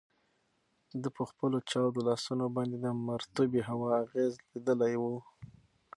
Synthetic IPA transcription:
d̪əpəxpəlot͡ʃɑwd̪olɑsunobɑnd̪ed̪əmaɾt̪ubiɦawɑːɣezlid̪əlajwu

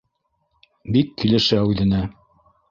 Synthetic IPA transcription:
bikːilɘ̆ʃæʉðɘ̆næ

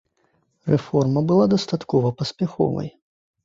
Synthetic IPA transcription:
rɛfɔrmɐbɨlˠad̪ɐst̪at̪kɔvɐpɐsʲpʲaxɔ̰vɐ̰j

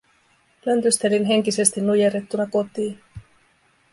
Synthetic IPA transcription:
lønt̪yst̪e̞linɦe̞ŋk̟ise̞st̪inːujeɾet̪ːunɑko̞t̪iːn

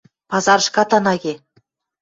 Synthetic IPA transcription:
pɑzɑɾʃkɑt̪ɑnɑɣʲe

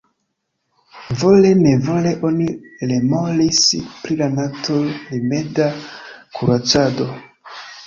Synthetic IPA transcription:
vo̞le̞ne̞vo̞le̞ʔo̞nilemolispɾilanatolime̞dakʰuɾat͡sado̞

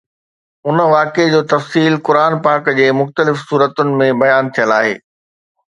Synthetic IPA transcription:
ʊnə̆ʋaːked͡ʑoːt̪ɐfsiːlkʊɾaːnpaːkd͡ʑeːmʊxt̪əlɪfsuːɾət̪ʊnɪ̆mẽbɐjaːnt̪ʰijəlaːɦḛː

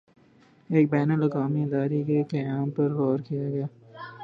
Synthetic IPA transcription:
eːk̚bɛːnəlɐkaːmiɪd̪aːɾekekɐjaːmpɐɾːɔːɾkijaɡɐjaː

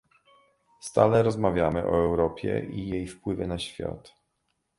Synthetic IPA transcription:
st̪a̰lɛɾɔzmavʲjamɘʔɔ̰ɛwɾɔpʲjɛ̰ʔijejfpwɘvɘnaɕfʲja̰t̪

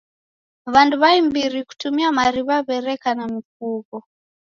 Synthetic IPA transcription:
βanduβaimbiɾiku̥tumiamaɾiβaβɛɾɛkanamikukɔ

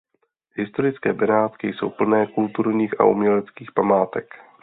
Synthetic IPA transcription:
ɦɪst̪o̞ɾɪt͡skɛːbɛnaːt̪kɪjso̞̰wpl̩nɛːkult̪uɾɲiːxa̰ʔumɲɛlɛt͡skiːxpamaːt̪ɛk

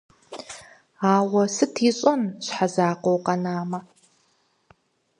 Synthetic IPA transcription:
aːwɐsɨtʰiːɕʼɔnɕħazaːqʷowqɐnaːmɐ

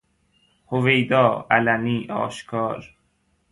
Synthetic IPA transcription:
hovejd̪ɒːælæniːʔɒ̰ːʃkʰɒːɾ

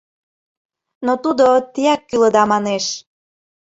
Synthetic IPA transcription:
not̪ud̪ot̪iækːyləd̪ɑmɑneʃ

